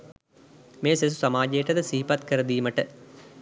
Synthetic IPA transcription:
meːses̬u̥sɐmaːd͡ʒɐjɐʈɐd̪əsiɦipɐt̪kəɾɐd̪iːməʈə

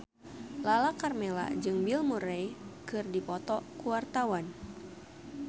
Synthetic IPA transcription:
lalakarmela̰d͡ʒɨŋbilmuɾɛjkɨrdipɔt̪ɔkuwart̪awan

